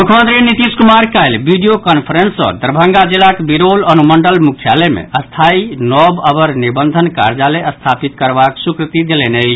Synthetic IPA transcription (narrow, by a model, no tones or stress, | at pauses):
mukʰmənd̪ɾinit̪iskumaɾkajlbiɖijokənpʰəɾensːɔ̰̃d̪əɾbʱə̃ŋɡad͡ʒilakbiɾolənuməɳɖəlmukʰijalemḛəst̪ʰainɔbəbəɾnibənd̪ʱənka̰ɾd͡ʒaleəst̪ʰapit̪̚kəɾbaksukɾt̪id̪elɛnej